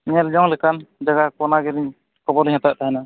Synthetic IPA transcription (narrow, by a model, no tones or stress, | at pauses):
ɲɛld͡ʒɔŋlɛkand͡ʒaɡakɔnaɡɛɾiɲ | kɔbɔɾliɲhat̪aʔ̚t̪aɦɛna